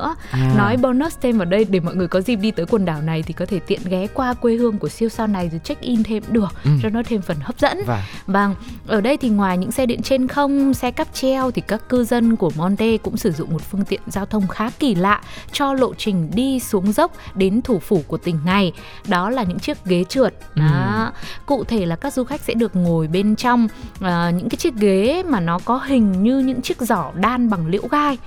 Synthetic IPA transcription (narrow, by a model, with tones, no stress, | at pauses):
ɨ̰˧˥ə | nɔ˨˦jɓɔ˧no˦˥st̪ʰe˧mʔaː˨˩ɗə˧jɗe˧˩mɔ̰˧˨jŋɨ˨˩əjkɔ˨˦zi˧˩p̚ɗi˧t̪əː˨˦jkwə˨˩nɗaː˧˩wna˨˩jt̪ʰi˨˩kɔ˨˦t̪ʰe˧˩t̪ḭ˧˨ənɣɛ˨˦kwaː˧kwe˧hɨ˧əŋku˧˩əsi˧əwsaː˧wna˨˩jzt͡ɕa˦˥k̟̚ʔi˧nt̪ʰe˧mɗɨ˨˩ək̚zɔ˧˦nɔ˨˦t̪ʰe˧mfə˨˩nhə˦˥p̚zə̰˧˥n˨va˨˩ŋʔəː˧˩ɗə˧jt̪ʰi˨˩ŋwaː˨˩jɲɨ̰˧˥ŋsɛ˧ɗḭ˧˨nt͡ɕe˧nxə˧wŋ͡msɛ˧ka˦˥p̚t͡ɕɛ˧wt̪ʰi˨˩kaː˦˥kkːɨ˧zə˧nku˧˩əmɔ˧nt̪e˧kʊ̰˧˥ŋ͡msɨ˧˩zʊ̰˧˨ŋ͡mmo˨˩t̚fɨ˧əŋt̪ḭ˧˨ənzaː˧wt̪ʰə˧wŋ͡mxaː˨˦ki˧˩la̰ː˧˨ʔt͡ɕɔ˧lo̰˧˨t͡ɕï˨˩ŋ̟ɗi˧su˨˦əŋzə˦˥wk͡p̚ɗe˨˦nt̪ʰu˧˩fu˧˩ku˧˩ət̪ï˨˩ŋ̟na˨˩j | ɗɔ˨˦laː˨˩ɲɨ̰˧˥ŋt͡ɕi˦˥ək̚ɣe˨˦t͡ɕɨ˨˩ət̚a˨˦kṵ˧˨t̪ʰe˧˩laː˨˩kaː˦˥k̚zu˧xa˦˥jk̚sɛ̰˧˥ɗɨ˨˩ək̚ŋo˨˩jɓe˧nt͡ɕɔ˧wŋ͡mʔəː˨˩ɲɨ̰˧˥ŋkaː˨˦t͡ɕi˦˥ək̚ɣe˨˦maː˨˩nɔ˨˦kɔ˨˦ɦï˨˩ŋ̟ɲɨ˧ɲɨ̰˧˥ŋt͡ɕi˦˥ək̚zɔ˧˩ɗaː˧nɓa˨˩ŋlḭ˧˥wɣaː˧j